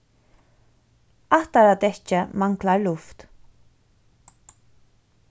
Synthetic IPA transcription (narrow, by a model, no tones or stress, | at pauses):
at̪əɾad̪ɛt͡ʃəmaŋklaɹlʊft̪